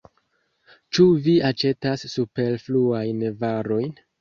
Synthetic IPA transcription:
t͡ʃuviat͡ʃe̞tasːupe̞ɾfluajnvaɾo̞jn

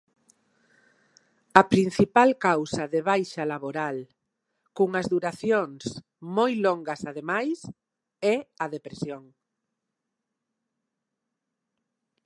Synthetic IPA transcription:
ɐpɾin̟θipalkawsaðeβ̞ajʃalaβoɾal | kuŋɐzðuɾaθjoŋs | mojloŋɡɐsað̞emajs | ɛɐðepɾesjoŋ

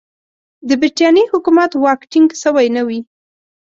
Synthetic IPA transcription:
d̪əbɪʈjɑnihʊkumat̪wɑkʈɪŋɡsəwajnawi

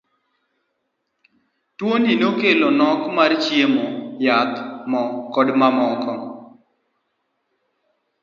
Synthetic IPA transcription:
twoninokelonɔkmart͡ʃjemojat̪mɔkɔdmamɔkɔ

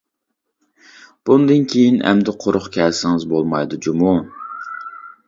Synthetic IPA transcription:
b̥und̪ɨnkʲʰejinɛ̰md̪ɪqʰoɾʊχkʲʰɛlsɪŋɪzbolˠmɑjd̪ud͡ʒumu

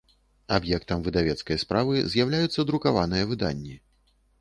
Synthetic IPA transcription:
abjɛkt̪ɐmvɨd̪avʲɛt̪skɐjspɾavɨzʲjawlʲajut̪sːɐd̪ɾukavanɨjɐvɨd̪a̰nʲːi

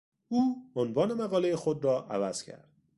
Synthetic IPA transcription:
uːonvɒːne̞mæɣɒːlejexod̪ɾɒːʔæ̰væz̥cʰæ̰ɾd̪̥

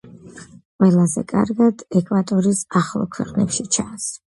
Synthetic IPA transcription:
qʼwɛlˠazɛ̰kʼa̰ɾɡad̪ɛkʼwat̪ʼɔɾisaχlˠɔ̰kʰwɛ̰qʼnɛpʃit͡ʃʰans

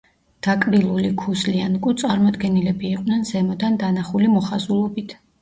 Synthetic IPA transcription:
d̪̥akʼɾilˠulikʰuslianɡut̪sʼaɾmɔd̪ɡɛnilɛbiːqʼnɛnzɛmɔd̪and̪anaχulimɔχazulˠɔbit̪ʰ

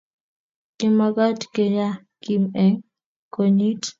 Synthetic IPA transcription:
kimakatkeja | kimɛŋ | koɲit

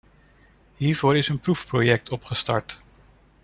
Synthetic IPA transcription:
ɦiːɹvʊːɹɪsənprufprojɛk̚tʰɔpχəstɑ̰ɹt

